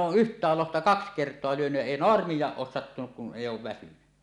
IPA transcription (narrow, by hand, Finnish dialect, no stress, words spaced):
oːʔ ʔyhtˑæːl lohtɑ kɑks kertˑoɑ lyønyj jæ eˑi noɑrmijˑɑːʔ ʔoːs sɑtːunuk kun eˑijˑ oːʋ ʋæsyny